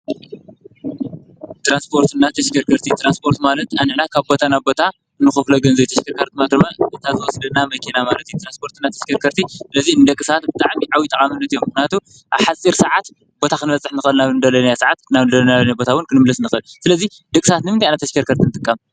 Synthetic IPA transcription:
t̪ɾanspʰo̞ɾt̪ʰɨnːat̪ʰɐʃkʰɐɾkʰɐɾt̪ʰit̪ʰɾanspʰo̞ɾt̪malɐt̪anɨʕnakʰaβbo̞t̪ʰanaβbo̞t̪ʰa | ɨnːɨxofloɡɐnzɐjt̪ʰɐʃkʰɐɾkʰɐɾt̪ɨmat̪ɨmaʔɨt̪ʰazɨwɔsid̪ɐnamɐkʰenamalɐt̪jut̪ʰɾanspʰo̞ɾt̪ɨnːat̪ʰɐ̥ʃkʰɐɾkʰɐɾt̪ʰisɨlɐzinɨd̪ɐkʼːɨsat̪̚bɨt̪ʼaʕmiʕawit̪ʼɐkʼamɨnːɐt̪ijːomːɨxniat̪ʰu | ʔaβħasʼiɾsɐʕat̪ | b̥o̞t̪ʰakɨnɨbɐt͡sʼːɨħnɨxɨlnaβɨnd̪ɐlɐnajasaʕat̪naβnd̪ɐlnanabo̞t̪ʰawʊnkʰɨnɨmɨlɐsnɨxɨlsɨlɐzi | d̪ɐkʼɨsat̪nɨmɨnt̪ajajnat̪ʰɐʃkʰɐɾkʰɐɾt̪ʰinɨt̪ʼɨkʼːam

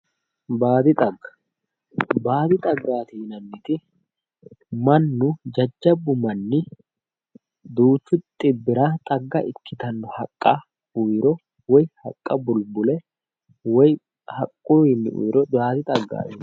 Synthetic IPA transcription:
baːd̪ɪt̪ʼɐɡːɐ̥ | baːd̪ɪt̪ʼɐɡːaːt̪iːnɐnːɪt̪ɪ | mɐnːʊd͡ʒɐd͡ʒːɐbːʊmɐnːɪ | d̪uːt͡ʃːʊt̪ʼɪbːɪɾat̪ʼɐɡːɐʔɪkːɪt̪ɐnːɔhɐkʼːɐ | ʊjɾɔ | wɔjhɐ̰kʼːɐbʊlbʊlɛ | wɔj | hɐkʼːujɪnːɪ̰ʔʊ̰jɾɔbaːd̪ɪt̪ʼɐɡːa̰ːin

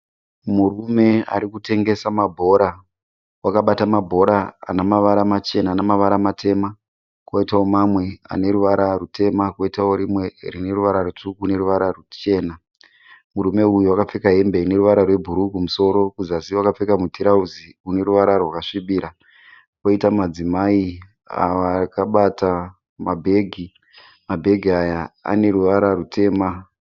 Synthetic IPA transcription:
murume̞a̰ɾikute̞ŋɡe̞samabʱo̞ɾa | wakaɓatamabʱo̞ɾa̰ːnamaʋaɾamat͡ʃe̞naːnamaʋaɾamatʰe̞ma | kwoitawo̞mamwe̞a̰ne̞ɾuʋaɾarutʰe̞makwoitawo̞ɾimwe̞rine̞ruʋaɾarutukune̞ɾuʋaɾarut͡ʃe̞ːna | muɾume̞ujuwakap͡fekaɦe̞mbe̞ine̞ɾuʋaɾarwe̞bʱuɾukumuso̞ɾo̞kuzasiwakap͡fekamutʰiɾauziune̞ɾuʋaɾarwakaʂiɓiːɾa | koitamad͡zimai | a̰akaɓata | mabʱe̞ɡʱi | mabʱe̞ɡʱiajaa̰ne̞ɾuʋaɾarutʰe̞ːma

